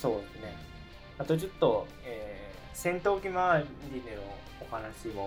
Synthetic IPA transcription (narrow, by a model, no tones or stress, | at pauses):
so̞ːd̪e̞sɨne̞ | at̪ot͡ɕot̪ːo̞ | eː | sẽnt̪o̞ːkʲimaɾʲineno | ohanaɕimo